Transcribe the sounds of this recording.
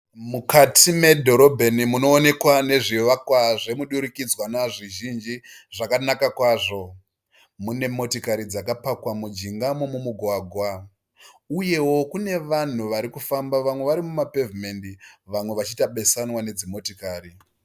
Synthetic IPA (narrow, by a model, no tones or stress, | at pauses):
mukatʰime̞dʱo̞ɾo̞bʱe̞nimuno̞ːne̞kwane̞ʐiʋakwaʐe̞muɗuɾukid͡zwanaʐiʒind͡ʒiʐakanakakwaːʐo̞ | mune̞mo̞tikaɾid͡zakapakwamud͡ʒiŋɡamomumuɡʱwaːɡʱwa | uje̞wo̞kune̞ʋan̤uʋaɾikufambaʋamwe̞ʋaɾimumape̞vime̞ndiʋamwe̞ʋat͡ʃitaɓe̞sanwane̞d͡zimo̞tikaːɾi